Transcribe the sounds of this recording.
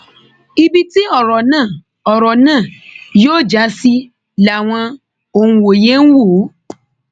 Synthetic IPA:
i˧bi˦ti˦ɔ˦˨ɾɔ˨nãː˦˨ | ɔ˨ɾɔ˨nãː˦˨joː˦˨d͡ʒa˨˦si˦ | la˨w̃ɔ̃˧ | o˨ũ˧wo˨je˦ñ̩˦wo˦˨˦

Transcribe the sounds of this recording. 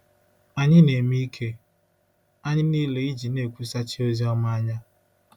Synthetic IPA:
a˨ɲɪ˦ne˨mi˦kʰe˦ | a˦ɲɪ˦niː˦le˦i˦d͡ʒi˨ne˨kʷu˦sa˦t͡ʃɪ˦o˦zi˦ɔ˦ma˦a˦ɲa˦

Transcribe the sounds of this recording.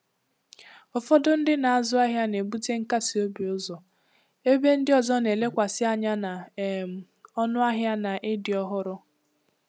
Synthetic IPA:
ɔ˨fɔ˦dʊ˦n̩˦dɪ˦na˨a˦˨zʊ˦a˦ɦja˦ne˨bu˦te˦ŋ̩˦ka˦si˨o˦bi˨ʊ˦zɔ˨ | e˦be˦n̩˦dɪ˦ɔ˨zɔ˦ne˨le˦kʷa˨sɪ˦a˦ɲa˦na˨m˨ | ɔ˦nʊ˦a˦ɦja˦na˨ʔe˦dɪ˨ɔ˦ɦʊ˦ɾʊ˦

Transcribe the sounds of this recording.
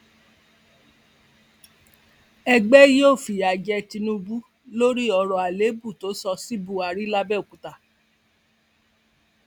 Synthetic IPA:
ɛ˧ɡ͡bɛ˦joː˦˨fi˨a˨d͡ʒɛ˧ti˧nũ˦bu˦ | lo˦ɾi˦ɔ˧ɾɔ˨a˨le˨˦bu˦˨to˨˦sɔ˧si˦bu˦˨a˨ɾi˦la˧bɛ˦˨o˨ku˨ta˨

